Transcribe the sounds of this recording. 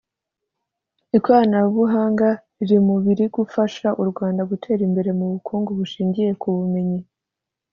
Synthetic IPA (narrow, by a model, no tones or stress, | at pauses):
ikwaːnaβuɦaːŋɡaɾiɾimuβiɾiɡufaʃaʔuɾɡwaːndaɡutʰe̞ːɾimbe̞ɾe̞muβukʰuːŋɡoβuʃiːɲɟije̞kuβume̞ɲi